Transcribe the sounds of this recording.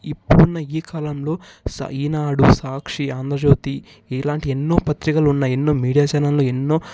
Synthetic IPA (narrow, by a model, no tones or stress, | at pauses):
ipːuɽunːɐiːkʰaːlɐmlo̞ː | sɐ̰iːnaːɽusaːkʂiaːnd̪ɾɐd͡ʒoːt̪i | laːɳʈienːo̞ːpɐt̪ɾikɐlunːaenːo̞ːmiːɽijaːt͡ʃaːnɐlloːenːo̞ː